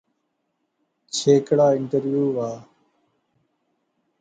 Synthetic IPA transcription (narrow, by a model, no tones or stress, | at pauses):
t͡ʃʰeːkɽaːɪɳʈəɾʋjuːʋaː